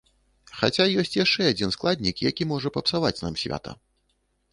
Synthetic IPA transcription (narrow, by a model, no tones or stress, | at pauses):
xat͡sʲajɔsʲt͡sʲjaʂt͡ʂɛad͡zʲinsklˠad̪ʲnʲikjakʲimɔʐɐpɐpsavat͡sʲna̰msʲvʲa̰t̪ɐ̰